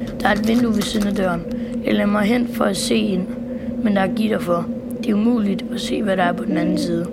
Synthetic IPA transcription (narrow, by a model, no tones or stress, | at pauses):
d̥ɑ̈æɐe̝d̥ʋe̝nd̥uʋesinæd̥ɶɐnɑlemɑɦen̰d̥fɒ̽æse̝̰ːen | mend̥ɑ̈ɐɡ̥id̥ɑfɒ | d̥e̝umṵːlid̥æse̝̰ːʋæɾɑ̈æɐpʰɒ̽d̥enænn̩siːð̞ˠə